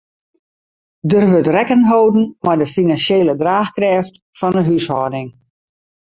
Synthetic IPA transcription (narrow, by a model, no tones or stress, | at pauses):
dørvətrɛkənɦowdn̩mardəfinansjeːlədraːxkrɛːft | fɔndəɦyshɔːdɪŋ